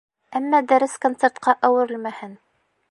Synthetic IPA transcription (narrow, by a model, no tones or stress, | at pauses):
æmːæd̪æɾɘskont̪seɾt̪̚qɑʔæwɘ̆ɾɘ̆lmæhɘn